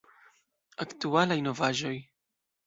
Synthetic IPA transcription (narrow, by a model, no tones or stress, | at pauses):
aktualajno̞vaʒo̞j